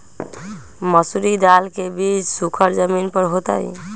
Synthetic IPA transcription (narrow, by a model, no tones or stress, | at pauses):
mɔsuɾid̪alkebisukʰəɾd͡ʒəminpɔɾɦot̪a̰j